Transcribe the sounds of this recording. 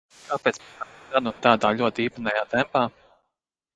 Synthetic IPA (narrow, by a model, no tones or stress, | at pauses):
kaːpɛːt̪saɡanut̪aːd̪aːʎʲuɔt̪iːpanɛjaːt̪ɛmpaː